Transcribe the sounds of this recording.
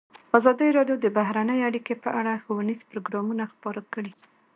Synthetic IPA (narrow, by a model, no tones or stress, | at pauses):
azɑd̪əɾɑɖjod̪əbaɦɾanəjeaɽikepəʔaɽaxowanizpɾoɡɾɑmunaxpɑɾakəɽi